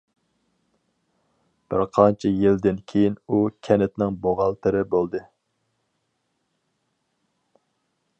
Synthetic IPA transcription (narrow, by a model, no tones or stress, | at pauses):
b̥ɪɾqʰɑnt͡ʃʰɛjild̪ɪnkʲʰejinukʲʰɛnɪt̪nɪŋboʁɑlˠt̪ʰɨɾɨbolˠd̪ɨ